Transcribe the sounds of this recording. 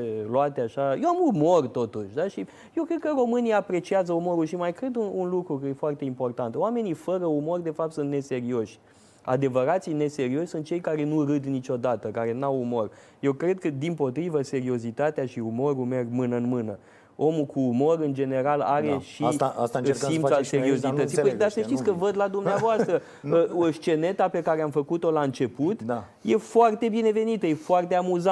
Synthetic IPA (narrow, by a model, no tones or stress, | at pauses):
loat̪eaʃajowamumo̞rt̪o̞t̪uʃʲd̪aʃi | jewkɾe̞d̪kəɾo̞mɨnijapɾe̞t͡ʃiazəumo̞ɾulʃimajkɾe̞d̪uunlukɾukəje̞foart̪e̞impo̞rt̪ant̪oame̞nifəɾəumo̞rʲd̪e̞fap̚t̪sunt̪ne̞se̞ɾio̞ʃʲ | a̰d̪e̞vəɾat̪sijne̞se̞ɾio̞ʃʲsunt̪̚t͡ʃe̞jkaɾe̞nuɾɨd̪nit͡ʃo̞d̪at̪əkaɾe̞nawumo̞r | je̞wkɾe̞d̪̚kəd̪impo̞t̪ɾivəse̞ɾio̞zit̪at̪eaʃiumo̞ɾume̞rɡmɨnəɨnmɨnə | o̞mukuːmo̞ɾɨnd͡ʒe̞ne̞ɾalaɾeʃiast̪impssalseɾio̞sit̪ət̪iəjd̪asəʃt̪itsʲkəvəd̪lad̪umneavoast̪ɾə | əəʃt͡ʃe̞ne̞t̪ape̞kaɾeamfəkut̪o̞laɨnt͡ʃe̞put̪ | je̞foart̪e̞bine̞ve̞nit̪əje̞foart̪e̞amuza